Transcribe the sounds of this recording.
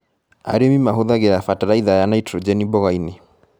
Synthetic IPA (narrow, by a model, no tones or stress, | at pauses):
a̰ɾemimaɦoðaɣeɾafataɾaiðajanaitɾɔd͡ʒɛnibɔɣaine